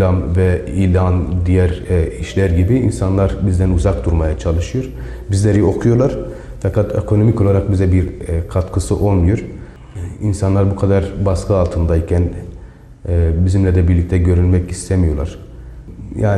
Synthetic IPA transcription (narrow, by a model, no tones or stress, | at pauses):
lʲamvɛilʲand̪ijæɾiʃlʲæɾɟibiinsanlˠaɾbizd̪ænuzak̚d̪uɾmajat͡ʃʰalˠɯʃɯjoɾ̥ | bizlʲeɾio̞kʰujolˠaɾ̥ | fakat̪ʰḛkʰo̞no̞mico̞lˠaɾak̚bizɛbiɾkʰat̪kʰɯsɯʔo̞lˠmujoɾ | insanlˠaɾbukʰad̪aɾbaskɯalˠt̪ʰɯmd̪aicʰæn | bizimlʲɛd̪ɛbiɾlʲic̚t̪ʰɛɟø̞ɾynmɛcist̪ʰɛmijo̞lˠaɾ̥ | jaːn